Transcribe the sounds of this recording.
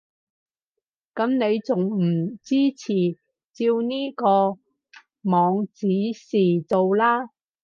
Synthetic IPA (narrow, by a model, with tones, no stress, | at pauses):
kɐ˨˥mne˨˧jt͡sʊ˨ŋm̩˨˩t͡siː˥t͡sʰiː˨˩ | t͡siː˧wniː˥kɔː˧ | mɔː˨˧ŋt͡siː˨˥siː˨t͡so˨wlaː˥